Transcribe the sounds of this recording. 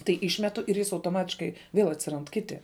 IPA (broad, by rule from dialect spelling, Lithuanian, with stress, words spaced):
tɐɪ ˈɪʃʲmʲɛtʊ ɪr ˈjɪs ɐʊtoːˈmɑːtʲɪʃkɐɪ ʋʲiɛlˠ ɐtʲsʲɪˈrɐnt ˈkʲɪtʲɪ